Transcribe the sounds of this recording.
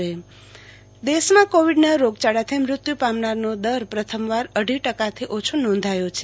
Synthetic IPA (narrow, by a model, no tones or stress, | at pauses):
e | d̪eʃmãkoʋiɖnaɾoɡ̚t͡ʃaɽat̪ʰemɾʊt̪jupamnaɾnod̪əɾpɾət̪ʰəmʋaɾəɖʱiʈəkat̪ʰiʔot͡ʃʰonɔ̃nd̪ʱajot͡ʃʰe